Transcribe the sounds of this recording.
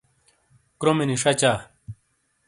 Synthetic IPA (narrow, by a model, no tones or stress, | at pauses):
kɾomeniʂɐt͡ɕaː